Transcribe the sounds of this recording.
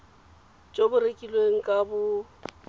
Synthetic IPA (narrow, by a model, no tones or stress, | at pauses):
t͡ʃʼobʊrekʼilweŋ̩kʼabʊ